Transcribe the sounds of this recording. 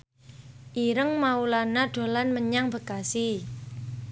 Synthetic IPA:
ʔiɾəŋmaulanaɖ̪̥o̤lanməɲaŋbə̤kasi

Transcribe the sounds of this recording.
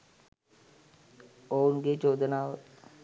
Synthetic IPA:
oːnɡet͡ʃoːd̪ənaːʋ

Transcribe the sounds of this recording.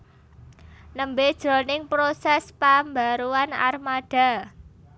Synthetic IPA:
nəmbed̥ʒ̥ɾɔnɪŋpɾosɛspambaɾuana̰rmad̥a̤

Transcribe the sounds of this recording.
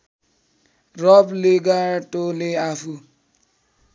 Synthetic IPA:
ɾɔbleɡaɾtoleafu

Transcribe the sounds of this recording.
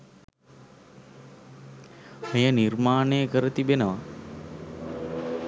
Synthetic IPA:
həjəniɾmaːneːkəɾət̪ibenəʋa

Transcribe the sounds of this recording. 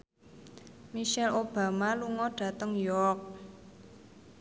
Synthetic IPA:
miʃɛlob̥a̤maluŋɔɖ̥a̤t̪əŋjɔk̚

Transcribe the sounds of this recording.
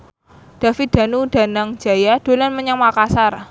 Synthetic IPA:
d̥a̤fit̪̚d̪̥a̤nud̥a̤naŋ̥d͡ʒ̥a̤jad̥o̤lanməɲaŋmakasar

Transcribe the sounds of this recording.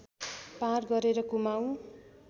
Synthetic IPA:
parɡʌɾeɾʌkumaw̃

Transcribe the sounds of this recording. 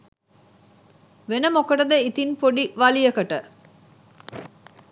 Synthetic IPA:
ʋenəmokɐʈəd̪əit̪inpoɖiʋɐlijɐkɐʈə

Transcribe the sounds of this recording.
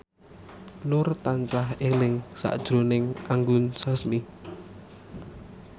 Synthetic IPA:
nʊrt̪ant͡ʃaɦelɪŋsa̰ʔd̥ʒ̥ɾonɪŋʔaŋɡʊnsasmi

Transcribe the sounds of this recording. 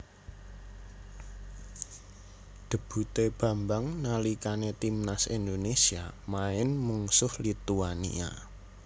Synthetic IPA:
ɖ̪̥ə̤b̥ṳt̪eb̥ä̤mbaŋnalikanet̪imnasind̪onesiamaɪnmuŋsʊhlit̪uanḭa̰

